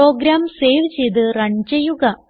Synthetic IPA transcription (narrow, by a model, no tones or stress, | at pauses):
o̞ːɡɾaːmseːjʋt͡ɕejd̪ɨrɐɲd͡ʑɐjuɣɐ